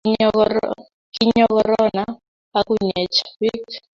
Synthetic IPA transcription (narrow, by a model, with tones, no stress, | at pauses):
ki˦ɲɔ˦kɔɾɔ˦na | a˦ku˦ɲɛ˨t͡ʃḁwi˦k